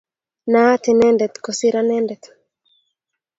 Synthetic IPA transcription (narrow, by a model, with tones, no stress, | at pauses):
na˦t̪inɛ˦ndɛ˨t̪kosi˦ɾanɛ˦ndɛt̪